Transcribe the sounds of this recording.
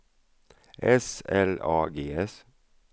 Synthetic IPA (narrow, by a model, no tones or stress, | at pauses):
ʔɛsɛlɑːɡeːɛs